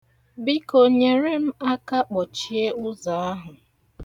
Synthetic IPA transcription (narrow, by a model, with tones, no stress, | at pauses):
bi˦ko˨ɲe˨ɾe˦m̩˦a˦ka˦k͡pɔ˨t͡ʃi˦e˦ʊ˦za˨a˦ɦʊ˨